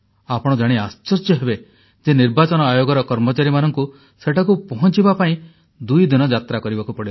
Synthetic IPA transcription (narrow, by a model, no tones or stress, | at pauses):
apɔɽ̃ɔd͡ʒaɽ̃iast͡ʃɔɾsjɔɦebe | d͡ʒeniɾbat͡ʃɔnɔajoɡɔɾɔkɔɾmɔt͡ʃaɾimanɔŋku | seʈʰak̬upɔɦɔ̃t͡ʃibapaĩ | d̪ujd̪inɔd͡ʒat̪ɾakɔɾibakupɔɽil